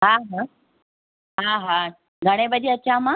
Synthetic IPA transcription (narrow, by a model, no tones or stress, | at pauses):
ɦãɦã | ɦãɦã | ɡʱaɽ̃ebəd̪iət͡ɕama